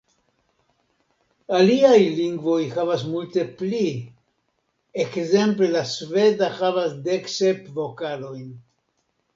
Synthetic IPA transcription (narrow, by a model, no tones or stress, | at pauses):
aliajliŋɡvo̞jxavasmulte̞pli | ekze̞mple̞lasve̞daxavasde̞kse̞pvo̞kalo̞jn